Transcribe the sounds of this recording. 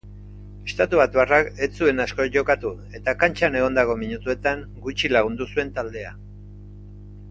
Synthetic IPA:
e̞st̪at̪uβat̪βarake̞t͡sue̞nasko̞ʝo̞kat̪u | e̞t̪akant͡ʃane̞ɣo̞nd̪aɣo̞miɲut̪ue̞t̪aŋ | ɡut͡ʃilaɣ̞und̪usue̞nt̪ald̪e̞a̰

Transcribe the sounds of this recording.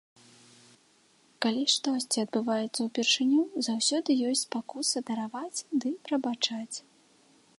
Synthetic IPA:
kalʲiʂt̪ɔsʲt͡sʲiɐd̪̚bɨvajɛt̪sːɐwpʲirʂɨnʲuzawsʲɔd̪ɨjɔsʲt͡sʲpakusɐd̪ɐɾavat͡sʲd̪ɨpɾɐbat͡ʂat͡sʲ

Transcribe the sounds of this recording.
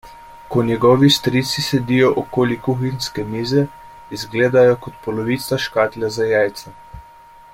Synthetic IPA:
kɔnjɛɡɔːʋist̪ɾiːt̪sisɛd̪iːjɔʔɔkoːlikuxinskɛmiːzɛ | izɡleːd̪ajɔkɔt̪pɔlɔʋiːt̪saʃkaːt̪lʲjazajajt̪sɛ

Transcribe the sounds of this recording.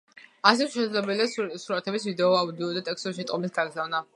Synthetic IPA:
asɛt̪ʃɛd̪zlɛbɛliasuɾat̪ʰɛbisvid̪ɛɔaud̪iɔd̪at̪ʼɛksɔsʃit̪ʼqʼɔmisɡaɡzavna

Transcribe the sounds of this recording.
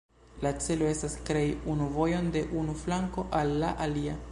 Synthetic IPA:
lat͡se̞lo̞e̞staskɾe̞junuvo̞jo̞nde̞ʔunuflaŋko̞ʔalːaʔalia

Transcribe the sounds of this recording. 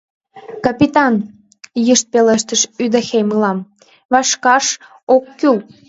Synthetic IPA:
kɑpʲit̪ɑn | jəʃt̪̚peləʃt̪əʃyd̪əxemɯlɑm | βɑʃkɑʃ | okːyl

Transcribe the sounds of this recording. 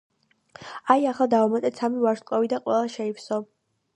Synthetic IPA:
ajaχlˠad̪aɔmat̪ʼɛt̪sʰamivaɾʃkʼɔvid̪aqʼwɛlˠaʃɛipsɔ

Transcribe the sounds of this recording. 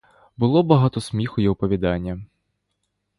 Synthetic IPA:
bʊlˠɔbɐɦɑt̪ɔsmʲixʊjiʊpɔʋʲid̪ɑnʲːɐ

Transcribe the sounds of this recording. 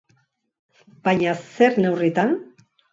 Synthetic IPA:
b̥ajɲase̞ɾne̞writ̪an

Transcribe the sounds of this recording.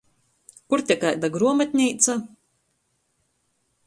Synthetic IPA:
kuɾt̪ʲɛkajd̪aɡɾuɔmat̪̚ʲnʲiːt̪sa

